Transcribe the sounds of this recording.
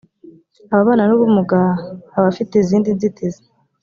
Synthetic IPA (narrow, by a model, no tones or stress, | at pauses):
aβaβaːnanuβumuɡaaβafiteziːndinzitʰize̥